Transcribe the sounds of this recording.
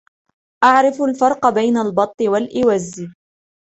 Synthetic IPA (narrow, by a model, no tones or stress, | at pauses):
ʔaʕɾɪfʊlfɑɾˤqɑbajnalbɑt̪ˤːɨwalʔɪwazːɪ